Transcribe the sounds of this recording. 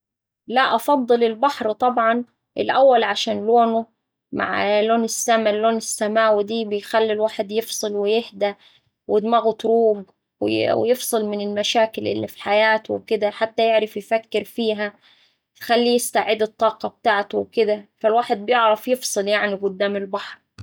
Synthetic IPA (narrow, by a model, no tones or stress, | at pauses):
laʔɑfɑd̪ˤːɨlɪlbaħɾt̪ˤɑbʕɑn | ʔɪ̰lʔawːalʕaʃaːnloːnʊ | ma̰ʕloːnɪsːamalːoːnɪsːamaːwɪd̪iːbɪjxælːilwaːħed̪jefsˤɨlwɪjɪhd̪a | wɪd̪maɣʊt̪ɾuːb | w̰w̰jɪfsˤɨlmɪnɪlmaʃaːkɪlʔɪ̰lːḭfi̥ħajaːt̪wɪkɪd̪aħat̪ːæjeʕɾˤɑfjfækːɪɾfiːɦæ | jxælːijɪst̪aʕɪd̪ɨt̪ˤːɑːqɑb̚t̪aːʕt̪ʊwkɪd̪æfalwaːħed̪̚bjeʕɾˤɑfjefsˤɨljaʕniɡʊd̪ːaːmɪlbɑħɾ